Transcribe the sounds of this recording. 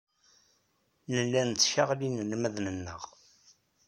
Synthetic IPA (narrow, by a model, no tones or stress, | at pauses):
nəlːænt͡sːʃəʁlinlmæðnənːə̰ʁ